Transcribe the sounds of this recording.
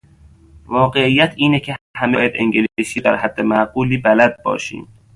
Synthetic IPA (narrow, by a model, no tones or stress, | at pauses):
vɒːɢeijːæt̪ʰiːnecʰehæmejæd̪eŋɡelsiːd̪æɾhæd̪ːemæɡuːliːbælæd̪̚bɒ̰ːʃḭːm